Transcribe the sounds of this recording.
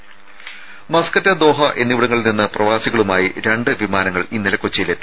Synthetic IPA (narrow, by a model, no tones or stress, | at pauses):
mɐskɐtːɐd̪o̞ːɦɐʔe̞nːiʋiɽɐŋːɐɭilninːɐprɐʋaːsiɣɐɭumaːjiɾe̞ɳɖɨʋimaːnɐŋːɐɭinːilɐkːot͡ɕːɐjilet̪ːi